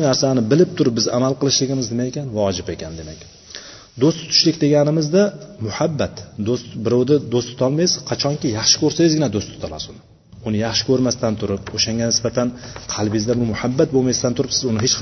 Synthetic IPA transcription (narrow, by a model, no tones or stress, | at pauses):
naɾsanɪbɪlɪp̚t̪ʰʊɾɪp̚bɪza̰malˠqɨlˠɪʃlɪɡʲɪmɪzd̪ɪmajekʲʰanvaɒd͡ʒɪpe̞kʲʰand̪e̞makʲ | d̪ost̪ɪt̪ʰʊ̥ʃlɪkʲd̪e̞ɡʲanɪmɪzd̪amʊhabːat̪d̪ost̪bɪɾawd̪ad̪ost̪ʰɪt̪ʰɒlˠmajɪz̥qʰɑt͡ʃʰɒŋkʲɪjɑχʃɪ̥kʲʰɵɾsajɪzɡʲɪnad̪ost̪ʰɪ̥t̪ʰɒlˠa̰sʊnɪ | ʊnɪjɑχʃɪ̥kʰʲɵɾmast̪ant̪ʰʊɾɪpoʃaŋɡʲanɪsbat̪ʰanqʰɑlˠbɪjɪzd̪abʊɾmʊhabːat̪̚bomajst̪ant̪ʰʊɾɪpsɪzʊnɪɦet͡ʃ